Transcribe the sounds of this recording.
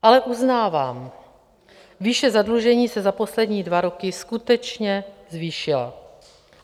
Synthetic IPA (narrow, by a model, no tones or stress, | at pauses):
ʔalɛʔuznaːvaːm | viʃɛzadluʒɛɲiːsɛzapo̞slɛdɲiːdvaɾo̞kɪskut̪ɛt͡ʃɲɛzviːʃɪla̰